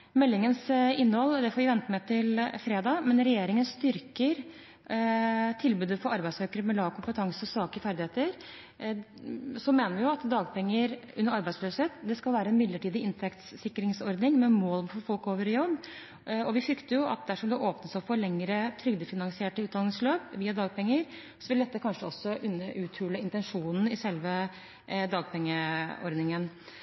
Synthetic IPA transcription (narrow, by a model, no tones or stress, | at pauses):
mɛlːɪŋənsɪnːəhɔlːd̪ɛfɔːɾʋɪʋɛnt̪əmɛɪt̪ʰɪlfɾeːd̪ɑːmɛnɾɛjeːɾɪŋənst̪ʏɾkəɾ | t̪ʰɪlbʉːd̪əfɔɾɑɾbæɪsøːkəɾəmɛlɑːʋkʊmpət̪ʰɑŋsəɔsɑːkəfæɾd̪ɪheːt̪əɾ | sɔmeːnəɾʋɪjʊɑt̪d̪ɑːɡpʰɛŋːəɾʉ̰nːəɾɑɾbæɪsløːsheːt̪d̪ɛskɑlʋæːɾəɛnmɪd̪ləʈiːd̪ɪɪnt̪ʰɛkt̪ssɪkːɾɪŋsɔɾd̪nɪŋmɛmoːlmfɔɾfɔlkoːʋəɾɪjɔbː | ɔʋɪfɾʏkt̪əjʊɑ̰t̪̚d̪æʂɔmd̪ɛʔoːpnəsɑfɔːɭɛŋːəɾət̪ʰɾʏɡd̪əfɪnɑŋsɪeːʈəʉːd̪ɑlɪŋsløːpʋiːɑd̪ɑːɡ̚pʰɛŋːəɾ | sɔʋɪld̪ɛt̪ːəkʰɑnʂəɔsːɔʔʉnːəʔʉːt̪ʰʉːləɪnt̪ɛnʂuːnn̩ɪsɛlʋə | d̪ɑːɡpʰɛŋːəɔ̰ɾd̪nɪŋən